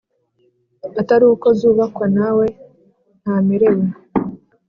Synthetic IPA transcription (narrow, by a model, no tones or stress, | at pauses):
ataɾuːko̞zuːβakwanawe̞ | n̥hamiɾewe